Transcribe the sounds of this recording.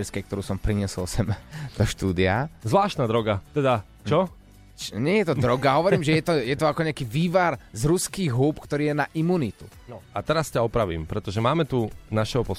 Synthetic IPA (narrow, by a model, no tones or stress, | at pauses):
ɛɾskɛjkt̪ɔɾuːsɔmpɾiɲɪɛsɔlsɛmd̪ɔʃt̪uːd̪iazʋlaːʃt̪nad̪ɾɔɡat̪ɛd̪a | t͡ʃɔ | t͡ʃɲɪɛjɛt̪ɔd̪ɾɔɡaɦɔʋɔɾiːmʒɛjɛt̪ɔjɛt̪ɔakɔɲɛakiːʋiːʋaɾzɾuskiːɣɦuːpkt̪ɔɾiːjɛnaʔimunit̪u | nɔat̪ɛɾascaɔpɾaʋḭːmpɾɛt̪ɔʒɛmaːmɛt̪unaʃɛɦɔpɔ